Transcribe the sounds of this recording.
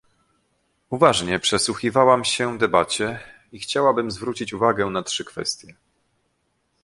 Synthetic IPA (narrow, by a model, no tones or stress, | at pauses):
uvaʐɲɛpʂɛswuxʲivawamɕɛd̪ɛbat͡ɕɛ | ixt͡ɕawabɘmzvɾut͡ɕit͡ɕuvaɡɛnatʂɘkfɛ̰st̪ʲjɛ